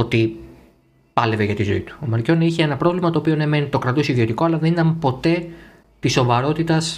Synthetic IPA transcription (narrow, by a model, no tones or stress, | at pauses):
ot̪i | pɐle̞veʝɐt̪izo̞̰ḭt̪u̥omɐɾco̞niçeenɐpɾo̞vlimɐt̪o̞ːpio̞neme̞nit̪o̞kɾɐt̪osiðio̞t̪iko̞ɐlɐðe̞nit̪ɐmpo̞t̪e̞ | t̪iso̞vɐɾo̞t̪it̪ɐs